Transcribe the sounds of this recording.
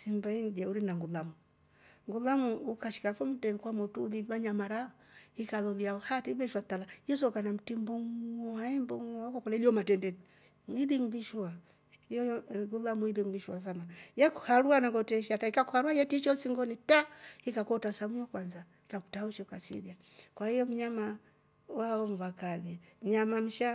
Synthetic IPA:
simbaiŋɡɛuɾinaŋɡulamu | ŋɡulamuːkaʃi̥kafɔm̩tɛnikwamɔtuːliβaɲamaɾa | ikalɔliaɔhatibɛʃwatalaijɔsɔkanam̩timbɔŋɔaɛmbɔŋɔkakɔlɛliɔmatɛndɛni | iðiŋviʃua | jɔjɡulamwiðiŋɡiʃwas̬anajɛku̥haɾuanaɡɔtɛʃataikakuhaɾuajɛtit͡ʃɔsiŋɡɔnitahikakɔtasamuɔkwanza | ikaku̥tauʃɛkasḭlia | kwahijɔm̩ɲama | waɔɱvakalim̩ɲamam̩ʃa

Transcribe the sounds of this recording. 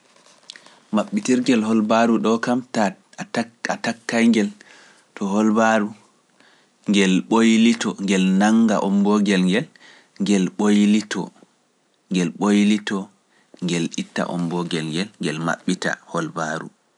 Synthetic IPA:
maɓːitiɾɡɛlhɔlbaɾuɗɔkamta | atakːajŋɡɛl | tɔɦɔlbaɾu | ŋɡɛlɓojlitɔŋɡɛlnaŋɡa̰ʔɔmbɔɡɛlŋɡɛl | ŋɡɛlɓojlitɔ̰ | ŋɡɛlɓojlitɔ | ŋɡɛlitːa̰ʔɔ̰mbɔɡɛlŋɡɛlŋɡɛlma̰ɓːita̰hɔlbaɾṵ

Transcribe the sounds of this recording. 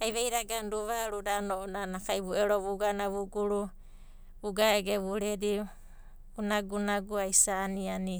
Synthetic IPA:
ajβejɾaɡanɾuβaɾudanonanakajβueɾoβuɡanaβuɡuɾu | βuɡaeɡeβuɾeɾi | ɡunaɡunaɡuajsaniani

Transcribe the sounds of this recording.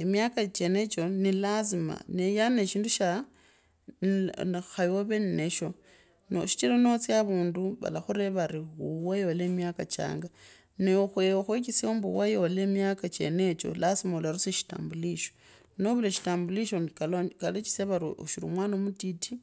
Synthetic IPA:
emjakat͡ʃenet͡ʃo̞nilazima̰nejane̞ʃiːnduʃa | xajoβe̞nine̞ʃo̞ | no̰ʃi̥t͡ʃilono̞t͡sjaβuːnduβa̰laxuɾeβaɾiuwajo̞lemjakat͡ʃa̰ːŋɡa | nexwexwekisioːmbuwajo̞lemjakat͡ʃe̞̰ne̞t͡ʃo̞̰lasimaulaɾuseʃi̥ta̰ːmbuliʃo | noβuleʃi̥taːmbuliʃokalokalet͡ʃi̥seβaɾuoʃiɾṵmwaːnomutitʰi

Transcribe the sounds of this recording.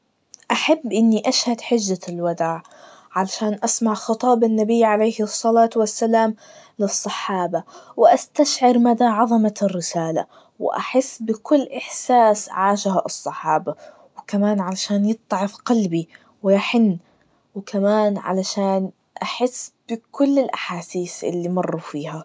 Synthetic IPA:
ʔaħabːʔɪnːiʔaʃhad̪ħɪd͡ʒːalwad̪aːʕ | ʕalaʃaːnʔasmaʕxɨt̪ˤɑːbɪnːabɪːʕalejhɨsˤːɑlaːt̪wasːalaːm | lɨsˤːɑħɑːbawɪʔast̪aʃʕɪɾmad̪aʕɑðˤɑmarːɪsaːla̰ | wɪ̰ʔa̰ħɪsːbɪkʊlːʔɪħsaːsʕaːʃhaʔɨsˤːɑħɑːba | wɪkamaːnʕalaʃaːnjɨt̪ˤːʕɑfqɑlbi | wɪjaħɪnː | wɪkʰamaːnʕa̰laʃaːn | ʔaħɪsːb̥ɪkʊlːɪlʔaħaːsiːθʔɪ̰lːimɑrˤːufiːha

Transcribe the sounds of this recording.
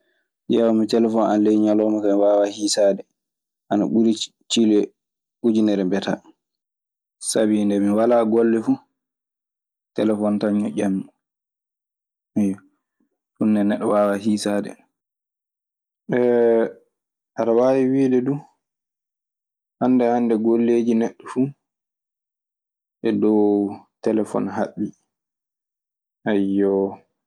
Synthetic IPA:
jɛwamitɛlɛfɔna̰nlejɲalɔːmakamiwaːwahiːsaːdɛ | ʔana̰ɓuɾi | t͡ʃilɛ | ɓud͡ʒinɛɾɛmbɛta̰ | sabindɛmiwalaɡɔlːɛfu | tɛlɛfɔntaɲːɔʔamː | ɛjɔ | sunːɛnɛɗːɔwawaɦiːsadɛ̰ | ʔɛ | ʔaɾawaːwiwiːdɛdu | ʔandɛhandɛɡolːeːd͡ʒinɛɗːɔfu | ʔɛdɔwtɛlɛfɔ̰nɦaɗːi | ʔajːɔ

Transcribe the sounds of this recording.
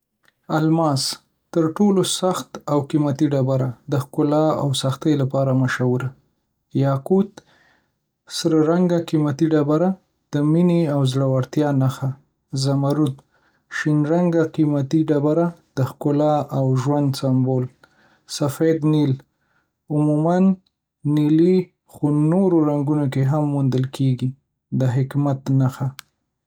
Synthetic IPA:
almɑs | t̪əɾʈolosaxt̪awkimat̪iɖabaɾad̪əxkʊlɑa̰wsaxt̪əjlapɑɾamaʃawuɾa | jɑqut̪ | səɾɾaŋɡaqimat̪iɖabaɾa | d̪̥əmineawzɽawaɾt̪jɑnaxa | zamaɾud̪ | ʃinɾaŋɡaqimat̪iɖabaɾad̪̥əxkʊlɑʔawʒwand̪sambol | safed̪nil | ʊmumanː | ili | xonoɾoɾaŋɡunok̬eɦamːund̪əlkʰeɡi | d̪əɦɪkmat̪naxa

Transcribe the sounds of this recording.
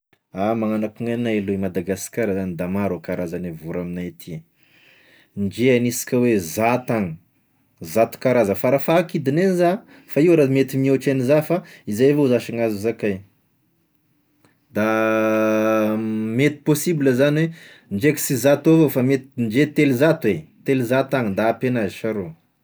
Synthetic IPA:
amaŋanakuŋanalumad̪aɡaskaɾəzanid̪amaɾokaɾazanevuɾaminajt̪ʰi | nd͡ʒeanisi̥kʲəwezat̪aŋə | zat̪u̥kaɾazəfaɾafakid̪ineniza | faiwɾamet̪imioʈ͡ʂanizafaizajvouzaʃaŋazuzakaj | d̪a | met̪i̥posibiləzanwe | nd͡ʒeki̥sizat̪ovofamet̪nd͡ʒet̪elizat̪uwet̪elizat̪aŋnd̪aːpenaziʃaɾo

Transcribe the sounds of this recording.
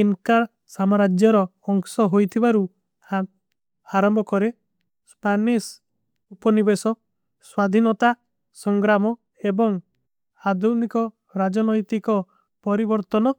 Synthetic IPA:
inka | samɔɾad͡ʒjɔɾɔ | ɔŋsɔɦojt̪ʰibaɾu | ha | aɾɔmbɔkɔɾe | spanis | upɔnibesɔ | swad̪ʱinɔt̪a | sɔŋɡɾamɔ | ebɔŋ | ad̪unikɔ | ɾad͡ʒɔnɔjt̪ikɔ | pɔɾibɔɾt̪ɔnɔ

